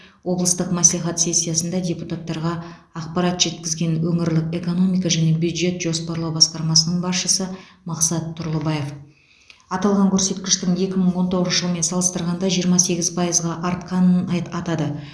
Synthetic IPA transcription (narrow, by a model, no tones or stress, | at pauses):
wo̞blˠəst̪əqmæslijχɑt̪se̞sʲːijasənd̪ɑd̪ʲe̞put̪at̪ːɑɾʁɑ | ɑqpɑɾɑt̪ʒ̥e̞t̪kʲɪzɡʲe̞nwɵŋɪɾlɪke̞ko̞no̞mijkɑʒæne̞bjud̪ʒe̞t̪ʒ̥o̞spɑɾlˠɑwbɑsqɑɾmɑsənəɴbɑsʃəsə | mɑqsɑt̪ʰːʊɾlˠəbɑje̞f | ɑt̪ɑlˠʁɑŋkʲʰɵɾse̞t̪kʲɪʃt̪ɪŋe̞kʲɪməɴwo̞nt̪ʰoʁəznəʒəlˠəme̞nsɑlˠəst̪əɾʁɑnd̪ɑʒijəɾmɑse̞ɡʲɪzpʰɑjəzʁɑʔɑɾt̪qɑnənɑt̪ɑd̪ə